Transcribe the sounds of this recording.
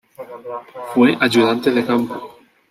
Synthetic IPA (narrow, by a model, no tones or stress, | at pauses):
fweʔaʝuðant̪eðekampo